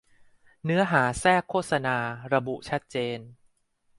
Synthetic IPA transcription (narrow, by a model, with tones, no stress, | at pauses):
nɯ˦˥ɐɦaː˩˦sɛː˥˩kʰːoː˥˩t̪̚sa˧naː˧ɾa˧bu˨˩ʔt͡ɕʰa˦˥t̪̚t͡ɕeː˧n